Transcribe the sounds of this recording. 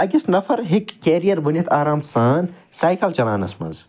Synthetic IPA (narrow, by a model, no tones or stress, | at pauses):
ɐɡistnɐfɐɾɦikːeːɾijɐɾbunɐt̪ʰaːɾaːmsaːnsaːjkɐlt͡ʃɐla̰ːnɐ̰smɐ̰nz